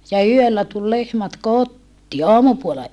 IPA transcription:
jɑ yølːæ tul lehmæt kotːiː ɑːmupuolɑ

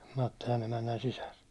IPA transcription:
mɑtːilɑn emænːæn sisær

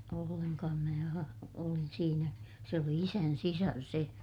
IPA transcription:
olːenkɑːm mæː ɑ olin siːnæ se oli isæn sisɑr se

